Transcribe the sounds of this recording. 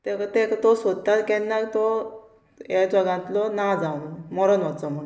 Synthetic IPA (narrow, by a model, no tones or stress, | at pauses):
t̪ekt̪ekt̪ɔsod̪̚t̪at̪kɛ̃nːakt̪ɔ | jad͡zɔɡãnt̪lɔnad͡zawnumɔɾɔnʋɔt̪t͡sɔm̤əɽ